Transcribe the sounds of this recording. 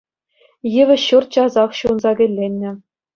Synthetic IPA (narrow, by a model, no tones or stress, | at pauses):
jɘʋʲɘ̆ɕurt̪̚t͡ɕɑzɑχɕuɤ̆nzɑɡʲɘ̆lʲːenʲːɘ̆